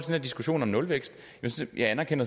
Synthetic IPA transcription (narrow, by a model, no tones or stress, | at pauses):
d̥endæɐdisɡ̥uɕo̝̰ːnɒ̽mnɔ̽lʋeɡ̥sd̥ | ejʔɑ̈ɪænɐkʰen̰ɐ